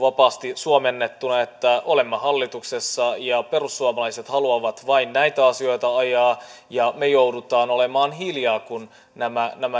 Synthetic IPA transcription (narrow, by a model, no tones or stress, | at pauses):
ʋɑpɑːst̪isuomenːet̪ːunɑet̪ːæole̞mːɑhɑlːit̪uksesːɑjɑperusːuomɑlɑiset̪hɑluɑʋɑt̪ʋɑinnæit̪æɑsio̞jt̪ɑɑjɑː | jɑmejoudut̪ɑːnole̞mɑːnɦiljɑːkun | næmænæmæ